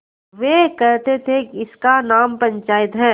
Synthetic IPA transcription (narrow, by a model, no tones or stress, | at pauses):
ʋeːkɐɾt̪et̪ʰeɪskanaːmpɐ̃ɲt͡ʃaːɪt̪ɦɛ̃ː